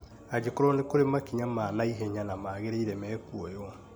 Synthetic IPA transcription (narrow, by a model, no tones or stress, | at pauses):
ad͡ʑekoɾɔnekoɾemakiɲamanaiɦɛɲanamaːɣeɾeiɾɛmɛːkuɔjɔ